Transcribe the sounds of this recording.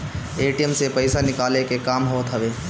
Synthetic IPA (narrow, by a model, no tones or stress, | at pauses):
eːʈijəmsepəɪsanɪkaːlekekaːmɦoːt̪ɦəʋeː